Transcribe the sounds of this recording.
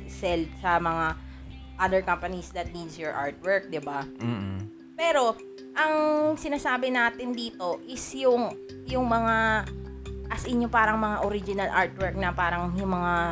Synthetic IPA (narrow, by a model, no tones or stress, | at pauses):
sɛlfsɐmɐŋa | ʔɐd̪ɛɹkɐmpɐnisd̪ɐt̪̚niːd̪sjɔɹʔa̰ɹt̪̚wɛɹk̚d̪ɪba | pɛːɾo̞ | ʔɐŋsɪnaːsaːbɪnaːt̪ɪnd̪iːt̪o̞ʔɪsjʊŋ | jʊŋmɐŋa | ɐsʔɪnjʊpaːɾɐŋmɐŋaʔoɾɪd͡ʒɪnɐlʔaɹt̪̚wɛɹk̚nɐpaːɾɐŋjʊŋmɐŋa